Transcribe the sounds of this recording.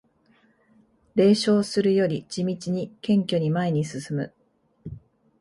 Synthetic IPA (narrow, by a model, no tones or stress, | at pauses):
ɾe̞ːɕo̞ːsɨɾɯ̟jo̞ɾʲid͡ʑimʲit͡ɕiɲ̟ikẽ̞ŋkʲo̞ɲ̟imaeɲ̟isɨsɨmɯ̟